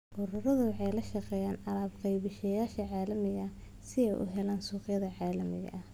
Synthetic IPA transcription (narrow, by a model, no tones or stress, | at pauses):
ʔʊɾʊɾɐðʊwɑħɑjlɐʃɑqɛːjaːnɑlaːbqɑjβɪʃɐjaːʃɐʕaːlɐmɪɣɐ | sɪɛjʔʊ̰ɦɛlaːnsuːqjɐðɐʕɑːlɐmɪ̰ɣɐ̰ʔɐ